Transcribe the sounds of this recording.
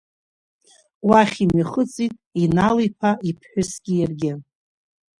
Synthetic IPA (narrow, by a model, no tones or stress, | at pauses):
waχʲimiχət͡sʼitʼinalijpʰaipʰħʷᶣʊsɡʲijarɡʲɪ